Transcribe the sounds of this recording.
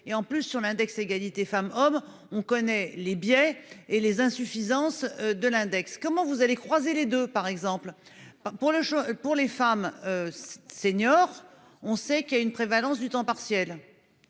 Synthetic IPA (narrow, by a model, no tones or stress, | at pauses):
eɑ̃plysːyʁlɛ̃d̪ɛkseɡalit̪efamɔm | ɔ̃kɔnɛlebjɛelezɛ̃syfizɑ̃sd̪əlɛ̃d̪ɛkskɔmɑ̃vuzalekχwazeled̪øpaʁɛɡzɑ̃plpuʁləʃɔpuʁlefamøseɲɔʁ | ɔ̃sɛkijaynpχevalɑ̃s̬d̪yt̪ɑ̃paʁsjɛl